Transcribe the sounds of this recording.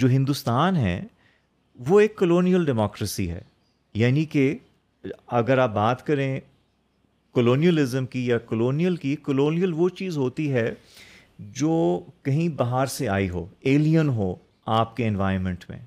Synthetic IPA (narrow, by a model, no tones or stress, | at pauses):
d͡ʒoːɦɪ̃nd̪ust̪aːnɦɛ̰ː | ʋoeːkːəloːnijəlɖɛmɔːkɾəsḭɦɛ̰ː | jaːnike | ɐɡəɾaːp̚baːt̪kɐɾẽ | kəloːnijəlɪzəmkijakəloːnijəlkikəloːnijəlʋot͡ʃiːzɦoːt̪iɦɛ | d͡ʒoːkɐɦĩbaɦaɾsea̰ːiɦo̰ːeːlijənɦoː | aːpkeɪ̃nʋaːɪəɾmɛ̃ɳʈmḛ̃ː